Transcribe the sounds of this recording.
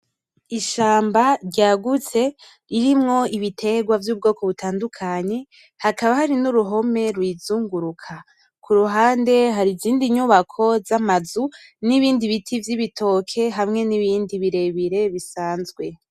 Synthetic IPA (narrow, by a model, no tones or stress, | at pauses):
iʃaːmbaɾɟaːɡut͡se̞ | iɾimŋo̞iβitʰe̞ɡwavjuːb̚ɡo̞ːko̞βutʰaːndukʰaɲe̞ | hakaβahaɾinuɾuɦo̞me̞ɾwiːzuːŋɡuɾukʰa | kʰuɾuɦaːnde̞ɦaɾiziːndiɲuβakʰo̞zamazuniβiːndiβitʰivjiβitʰo̞ːkʰe̞ɦamŋe̞niβiːndiβiɾe̞βiɾe̞βisaːnzɡwe̞